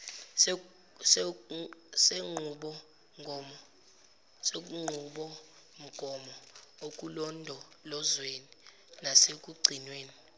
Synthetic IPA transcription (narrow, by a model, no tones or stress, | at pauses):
s | seŋ͡ǃʱuɓɔ | ŋʱ | sek̬ʼuŋ͡ǃʱuɓɔ | m̩ɡ̥ʱɔmɔok̬ʼulɔndʱɔ | lɔzweni | nasek̬ʼuɡ͡ǀʱinweːni